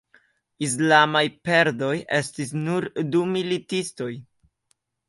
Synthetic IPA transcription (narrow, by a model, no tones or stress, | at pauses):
is̬lamajpe̞ɾdo̞je̞stis̬nuɾdumilitisto̞j